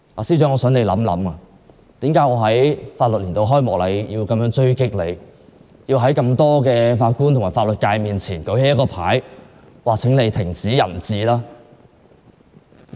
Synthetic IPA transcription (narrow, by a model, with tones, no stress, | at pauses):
ʔa̰ː˨˩si˥wt͡ʃœː˨˥ŋɔː˨˧sœː˨˥ŋle˨˧jlɐ̰˨˥mlɐ̰˨˥maː˧ | t̪iː˨˥mkaː˨˥jŋɔː˨˧ɦɐ˨˥jfaː˧t̚lt̚liː˨˩nt̪o˧wɦɔː˥jmɔː˨˩lɐ˨˧jji˧wkɐ˨˧mjœː˨˥ŋt͡ʃɵ˥ɥkɪ˥k̚le˨˧j | jiː˧wɦɐ˨˥jkɐ˧mt̪ɔː˥kɛː˧faː˧t̚ku˥nt̪ʰmaː˨˩faː˧tlɵ˨t̚kaː˧jmiː˨nt͡sʰiː˨˩nkɵ˨˥ɥhe˨˥jɐ˥tkɔː˧pʰa̰ː˨˥j | waː˨˩t͡sʰɪ˨˥ŋle˨˧jt̪ʰɪ˨˩ŋt͡siː˨˥jɐ̰˨˩nt͡siː˨˧laː˥